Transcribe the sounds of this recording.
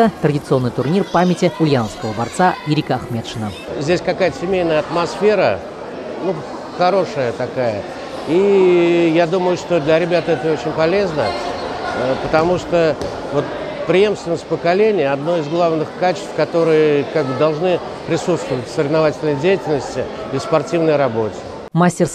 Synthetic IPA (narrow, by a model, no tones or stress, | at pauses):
ət̪ɾədʲɪt̪sɨo̞nːɨjt̪ʊrnʲirpamʲɪtʲɪʊlʲjanəfskəvəbɐrt̪saɪɾʲikəɐxmʲe̞t̪ʂɨnə | zʲdʲesʲkɐkajt̪əsʲɪmʲejnəjəɐt̪mɐsfʲe̞ɾə | nu | xɐɾo̞ʂəjət̪ɐkajə̰ | i | jad̪uməjʊʂt̪o̞d̪lʲɐɾʲɪbʲat̪əɛt̪əot͡ɕɪnʲpɐlʲe̞znə | əpət̪ɐmuʂt̪o | vo̞t̪ | pɾʲɪje̞mst̪vʲɪnəsʲt̚ʲpəkɐlʲenʲɪjəɐd̪no̞ɪzɡlˠavnɨxkat͡ɕɪ̥st̪fkɐt̪o̞ɾɨjəkaɡ̚bɨd̪ɐlˠʐnɨ | pɾʲɪsut̪st̪vəvətʲsəɾʲɪvnɐvatʲɪlʲnəjdʲejɪtʲɪlʲnəsʲtʲɪ | ɪspɐrtʲivnəjɾɐbo̞tʲɪ̥ | masʲtʲɪrs